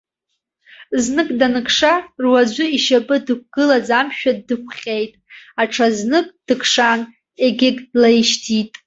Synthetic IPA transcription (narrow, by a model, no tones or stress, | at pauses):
znɨkʼdanɨkʰʂarwad͡ʒʷʊiʃapʼɨdɨk̚ʷʰɡ̥ɨlad͡zamʃᶣadːɨkʷʰχʲejtʼaʈ͡ʂʰaznɨkʼd̥ɨkʰʂan | e̞ɡʲɪɡʼdlajʃtʰitʼ